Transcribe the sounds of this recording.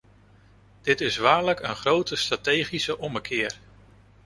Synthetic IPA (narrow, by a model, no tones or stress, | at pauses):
d̥ɪtɪsʋaːɹləkənχrowtəstratejχisəʔɔməkʰɪːɹ